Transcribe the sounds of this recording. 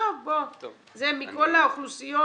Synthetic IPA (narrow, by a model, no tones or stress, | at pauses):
ɔbɔ | zɛmikʼɔlaklusijɔ